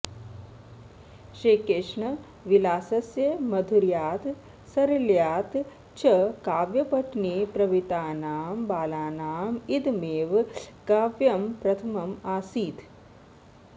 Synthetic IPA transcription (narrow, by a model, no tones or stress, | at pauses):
ʃeːkeʂɳɐ | ʋilaːsɐsjɐmɐd̪ʱuɾjaːt̪ | sɐɾɐljaːt̪ | t͡ʃʰɐkaːʋjɐpɐʈʰneːpɾɐʋit̪aːnaːmbaːlaːnaːmid̪meːʋkaːʋjɐmpɾɐt̪ʰɐmɐmaːsiːt̪